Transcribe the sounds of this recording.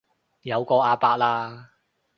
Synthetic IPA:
jɐ˨˧wkɔː˧aː˧paː˧k̚laː˧

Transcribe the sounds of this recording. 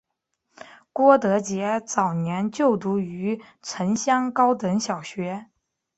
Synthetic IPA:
kwɔ˥t̪ɤ˧˥t͡ɕjɛ˧˥t͡sɑ˨˩ʊnjɛ˧˥nt͡ɕjo˥˩ʊt̪u˧˥y˧˥ | ʈ͡ʂʰə˧˥nɕjɑ˥ŋkɑ˥ʊt̪ɤ˧˥ŋɕjɑ˨˩ʊɕɥɛ˧˥

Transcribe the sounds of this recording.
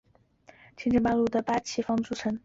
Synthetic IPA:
t͡ɕʰi˥nʈ͡ʂə˥˧pa˥˧nlu˥˩d̪ə˩pa˥t͡ɕʰi˥fɑ˥ŋʈ͡ʂu˥t͡sʰə˧˥n

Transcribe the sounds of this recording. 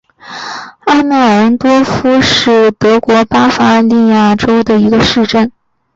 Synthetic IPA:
a˥ma˥˩ə˧˥t̪wɔ˥fu˥ʂɻ̩˥˩t̪ɤ˧˥kwɔ˧˥pa˥fa˥li˥˧ja˥˩ʈ͡ʂo˥ʊd̪ə˨i˧˥ɡə˧ʂɻ̩˥˧ʈ͡ʂə˥˩n

